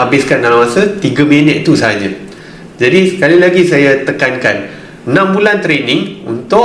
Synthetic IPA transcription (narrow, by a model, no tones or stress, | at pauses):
abɪskandalamasat̪iɡaminət̪̚it̪usaɦaɲã | d͡ʒadisəkalilaɡisajat̪əkanka̰n | ənãmbulant̪ɾenɪ̃ŋṵnt̪ʊ